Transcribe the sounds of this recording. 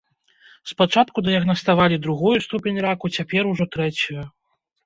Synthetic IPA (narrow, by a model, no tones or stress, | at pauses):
spat͡ʂat̪kud̪ɐjɐɣnɐst̪avalʲid̪ɾuɣɔjust̪upʲenʲrakut͡sʲapʲɛɾuʐɔt̪ɾɛt͡sʲuju